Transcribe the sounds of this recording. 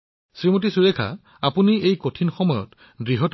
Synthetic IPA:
sɹimot̬isuɹekʰa̰ | apuniejkotʰinxɔmɔjɔ̰t | ɡɹiɦɔt

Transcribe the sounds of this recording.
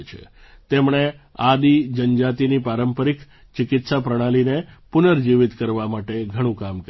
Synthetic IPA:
t͡ʃʰḛ | t̪emɳ̃ead̪id͡ʒənd͡ʒat̪inipaɾəmpəɾik | t͡ʃɪkɪt̪sapɾəɽ̃alinepʊnəɾd͡ʒiʋɪt̪kəɾʋamaʈeɡʱəɽ̃ũkamkə

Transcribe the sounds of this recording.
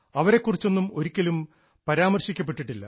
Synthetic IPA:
ɐʋɐɾe̞kːurit͡ɕːo̞nːumo̞ɾikʲːɐlum | pɐɾaːmɐrɕikʲːɐp̬ːe̞ʈːiʈːilːɐ̰

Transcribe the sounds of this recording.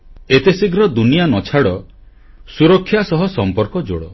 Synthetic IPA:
et̪esiɡɾɔd̪unijanɔt͡ʃʰaɽɔ | suɾɔkʰːjasɔɦɔsɔmpɔɾkɔd͡ʒoɽɔ

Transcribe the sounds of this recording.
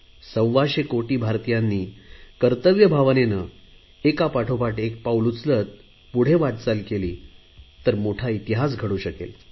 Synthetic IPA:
sə̃w̃ʋaɕekoʈiːbʱaɾt̪ijanːiːkəɾt̪əʋjəbʱaʋnenə | ekapaʈʰopaʈek̚pawlut͡slət̪̚ | puɽ̤eʋaʈ̪t͡salkelḭː | t̪əɾmoʈʰait̪iɦas̬ɡʱəɽuːɕəkḛl

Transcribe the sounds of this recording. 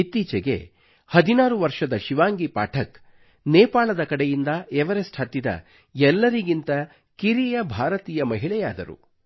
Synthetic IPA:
it̪ːiːt͡ʃɛɡe̞̰ | hɐd̪inaːɾuʋɐɾʂɐd̪ɐʃiʋaːŋɡipaːʈʰɐk | neːpaːɭɐd̪ɐkɐɽejind̪ɐeʋɐɾesʈhɐt̪ːid̪ɐ̰ | ɛlːɐɾiɡint̪ɐ | kiɾijɐbʱaːɾɐt̪iːjɐmɐɦiɭɛjaːd̪ɐɾṵ

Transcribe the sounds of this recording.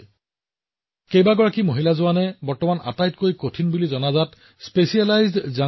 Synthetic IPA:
kejbaɡɔɹakimoɦilazʊwanɛbɔɹtɔmana̰tajtkojkotʰinbulizɔnazat | spesialajzdza

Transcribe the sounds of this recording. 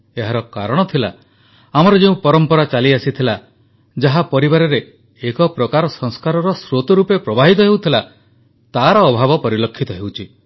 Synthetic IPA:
eɦaɾɔka̰ɾɔɽ̃ɔt̪ʰila | amɔɾɔd͡ʒeũpɔɾɔmpɔɾat͡ʃaliasit̪ʰila | d͡ʒaɦapɔɾibaɾɔɾeː | kɔpɾɔkaɾɔsɔŋskaɾɔɾɔsɾot̪ɔɾupepɾɔbaɦit̪ɔɦewt̪ʰila | t̪aɾɔːbʱabɔpɔɾilɔkʰːit̪ɔɦewt͡ʃʰi

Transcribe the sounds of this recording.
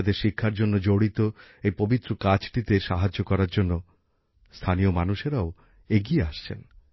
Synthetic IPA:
d̪eɾʃikʰːaɾd͡ʑonːod͡ʑoɽit̪o | ejpobit̪ːɾokat͡ɕʈit̪eʃaɦad͡ʑːokɔɾaɾd͡ʑonːo | st̪ʰaniomanuʃeɾao | eɡieaʃt͡ɕʰḛn

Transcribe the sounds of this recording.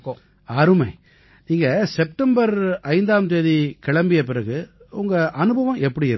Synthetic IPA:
ɐɾɯmɐɪ | niːŋɡɐsɛp̚ʈɐmbɐɾɐɪnd̪aːmt̪eːðikɪɭɐmbɪjɐp̬ɪɾɐɣɯ | ʊŋɡɐʔɐnɯbɐʋɐ̃mɛpːɐɽiɪɾ

